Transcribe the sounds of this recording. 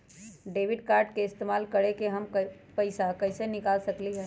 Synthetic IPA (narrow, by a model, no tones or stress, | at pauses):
ɖeːʋiɖkaːɾɖkeɪst̪eːmaːlkəɽekeɦəmk | pəɪsakəɪsenɪkaːlsəkliɦɛ